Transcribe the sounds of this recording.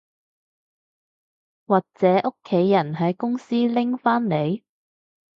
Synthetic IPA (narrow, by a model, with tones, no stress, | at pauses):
waː˨k̚t͡sɛː˨˥ʔʊ˥kʰːe˨˥jːɐ˨˩nɦɐ˨˥jkʊ˥ŋsiː˥lɪ˥ŋfaː˥nle˨˧j